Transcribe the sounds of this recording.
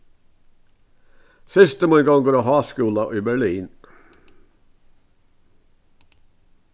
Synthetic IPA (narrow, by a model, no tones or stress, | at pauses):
sɪst̪əmoːɪɡɔŋɡoːɾoːhɑːskʉːlɑʔiːbæɭiːn